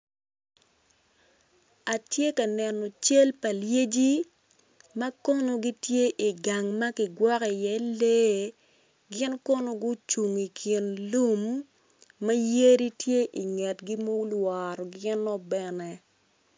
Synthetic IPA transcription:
a˨tje˦ka˨nɛ˨nɔ˨t͡ʃe˦lpa˨lje˦d͡ʒi˦ | ma˦kɔ˦no˨ɡi˦tje˦ʔi˨ɡa˨ŋmɐ˦ki˨ɡwɔ˦ki˨jɛ˦le˦ | ɡɪ˦nkɔ˦no˨˦ɡʊ˦t͡ʃu˨ŋi˨kʰi˨nlu˦mː | ɐ˦je˦ɾi˦tje˦ʔi˨ŋɛ˨tɡi˦mo˦lwa˨ɾɔ˨ɡɪ˦nɔ˦bɛ˦nɛ˨

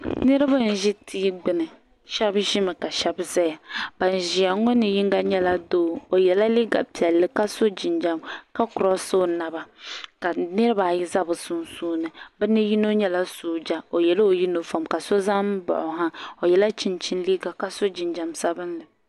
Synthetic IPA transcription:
nɨ˦ɾɨ˦ba˦n̩˨ʒɪ˦tʰi˦ɡ͡bɨ˦nɨ˨ | ʃɛ˦bʒi˦mɨ˨ka˨ʃɛ˦bza˦ja˨ba˨n˨ʒi˨a˨ŋɔ˦nɨ˨ji˦ŋɡa˦ɲɛ˦la˦doː˦˨o˨jɛ˨la˦li˦ɡa̰˨pi˨ɛ˨lːɨ˨ka˦so˦d͡ʒi˨nd͡ʒa˨mka˦kʊ˨ɾɔ˦so˦na˨ba˨ka˨nɨ˦ɾɨ˦ba˨ji˦za˦bɨ˨su˦nsuː˦nɨ˨bɛ˦nɨ˦ji˦no˦ɲɛ˦la˦suː˦d͡ʒa˦o˨jɛ˨lo˨ji˦no˨fa˨mka˨so˦za˦m˦bɔ̰˨ʔʊ˨ɦa˦o˨jɛ˨la˦t͡ʃi˦nt͡ʃi˦n˦liː˦ɡa˨ka˦so˦d͡ʒi˨nd͡ʒa˨msa˦bɨ˦nlɨ˨

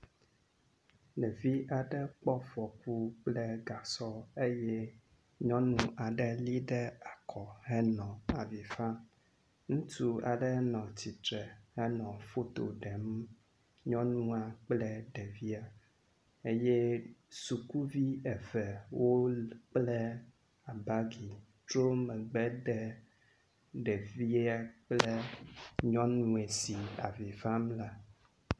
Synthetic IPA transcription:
nɛ̃˨vi˦ʔa˨ɖɛ˦k͡pɔ˦vɔ˨ku˦k͡plɛ˦ɡa˨sɔ˦e˦jɛ˦ | ɲɔ̃˦nũ˨ʔa˨ɖɛ˦li˦ɖɛ˦a˨kʰɔ˨hɛ˦nɔ̃˨a˨vi˨fa˦ | ŋũ˦t̪u˦a̰˨ɖɛ˦nɔ̃˨t͡ɕi˨t̪ɾɛ˨hɛ˦nɔ̃˨fo˦t̪o̰˨ɖɛ˨m | ɲɔ̃˦nũ˦a˨k͡plɛ˦ɖɛ˨vi˦a˨ | e˦je˦su˨ku˦vi˦ɛ˨vɛ˨wo˦k͡plɛ˦ | a˨ba˦ɡi˨ | tɾo˦mɛ̃˨ɡ͡bɛ˦ɖɛ˨ | ɖɛ˨vi˦a˦k͡ple˦ɲɔ̃˦nũ˨e˨si˨a̰˨vi˨va˦mla˨

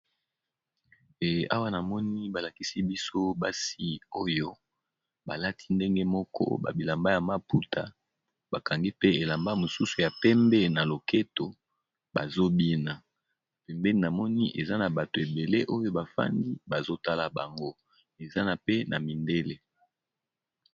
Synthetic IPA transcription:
a̰˦wa˦na˨mɔ˦ni˦ba˨la˨ki˦si˦bi˦so˦ba˦si˦o˦jo˦ | ba˨la˦tʰi̥˦nde˦ŋɡe˦mɔ˦kʰɔ̰˦ba̰˨bi˨la˨mba˦ja˨ma˦pu˦tʰa˨ | b̥a˨ka˨ŋɡi˦pe˦e˨la˨mba˦mo˨su˦su˨ja˨pɛ˦mbɛ˦na˨lo˨ke˦to˨ | ba̰˨zo˦bi˦na˨ | pɛ˨mbɛ˦ni˨na˨mɔ˦ni˦ʔe˨za˦na˨ba˨to˨e˨be˨le˦ʔo˦jo˦ba˨fa̰˦ndi˦ba˨zo˦ta˦la˨ba˨ŋɡo˦ | e˨za˦na˨pe˦nʔa˨mi˨nde˦le˦

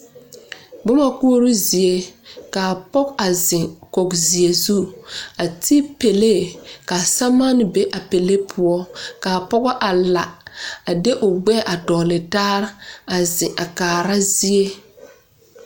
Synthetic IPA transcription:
bʊ˦ma˦ku˦o˦ɾu˦zi˨e˦ka˨pɔ˦ka˨zɪ˨ko˨kzi˨e˨zu˦a˨ti˦pe˨le˦˨ka˨sa˦ma˦n˦be˦ʔa˨pe˨le˦pʰʊ˦ɔ˦ka˨pɔ˦ɡɔ˦ʔa˨la˨a˨de˦ʔʊ˨ɡ͡bɛ˦ʔa˨dɔː˨lɪ˨taː˦ɾa˨zɪ˨ʔa˨kaː˨ɾa˦zi˦e˦

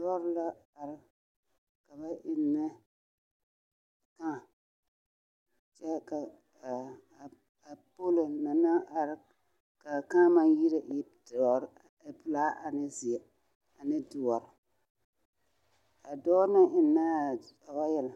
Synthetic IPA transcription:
ɔ˦ɾla˦a˨ɾɪ˨ | ka˨ba˦ʔɪ˨nːɪ˦˨ | kã˦˨ | t͡ʃɛ˦ka˨ | a˨po˦lo˨na˨na˦ʔa˨ɾɪ˦ | ka˨ka˦ma˨ji˦ɾɪ˦˨ʔɪ˨˦dɔ˨ɾ | pʊ˨laː˦ʔa˨nɪ˦zɪ˨ɛ˨ | a˨nɪ˦dʊ˨ɔ˨ɾɪ˨ | a˨dɔː˦na˦ʔɪ˨nːa˦a˨ba˦jɛ˦la˨

